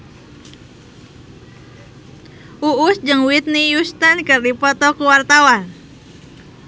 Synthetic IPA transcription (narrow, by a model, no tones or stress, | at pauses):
ʔuʔusd͡ʒəŋwit̪̚nijust̪ankɨrdipɔt̪ɔkuwart̪awan